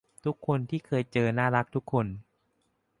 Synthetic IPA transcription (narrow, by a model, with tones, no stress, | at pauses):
t̪ʰu˦˥kʰːo˧nt̪ʰiː˥˩kʰɤː˧jt͡ɕɤː˧naː˥˩ɾa˦˥k̚t̪ʰu˦˥kʰːo˧n